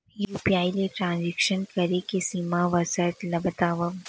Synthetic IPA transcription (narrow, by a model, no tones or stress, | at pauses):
juːpiaːileʈɾãːnzikʃənkɐɾekesiːmaʋɐsəɾʈlɐbət̪aːʋəm